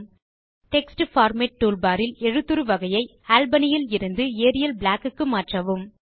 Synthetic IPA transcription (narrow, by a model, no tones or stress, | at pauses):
ʈɛksʈɯfaːɾmeʈ̚ːuːlbaːɾɪlɛɻɯt̪ːɯɾɯʋɐɣɐjɐɪ | aːlbɐnɪjɪlɪɾɯnd̪ɯeːɾɪjɐlblaːkɯkːɯmaːʈrɐʋɯm